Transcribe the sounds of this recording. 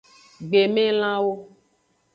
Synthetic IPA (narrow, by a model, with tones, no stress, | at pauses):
ɡ͡be˨mẽ˦l̃ã˦wo˦